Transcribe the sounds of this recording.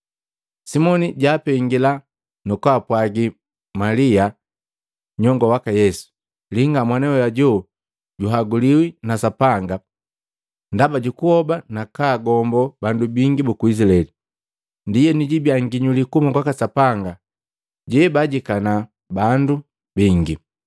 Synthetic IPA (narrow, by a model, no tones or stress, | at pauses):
simɔniɟaːpɛŋɡila | nukwaːpwaɡi | malia | ɲɔŋɡɔwakajɛsu̥ | liŋɡamwanɛɔjaɟɔ | ɟuɦaɡuliwinasapaŋɡa | ndabaɟukuhɔbanakaːɡɔmbɔbandubiŋɡibukuis̬ilaɛli | ndijɛniɟibjaŋɡiɲulikumaɡwakasapaŋɡa | ɟɛbaɟikana | bandu | biŋɡi